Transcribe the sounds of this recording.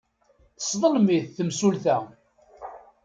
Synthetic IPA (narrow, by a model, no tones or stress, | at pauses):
əsˤðˤəlmiθθəmsulθæ